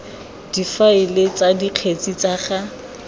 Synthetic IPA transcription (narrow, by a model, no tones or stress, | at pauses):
d̥ifaɪlet͡sadiq͡χʰet͡sit͡saχa